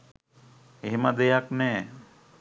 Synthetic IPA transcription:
eɦemad̪ejaknɛː

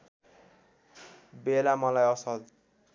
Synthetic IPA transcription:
belamʌlajʌsʌl

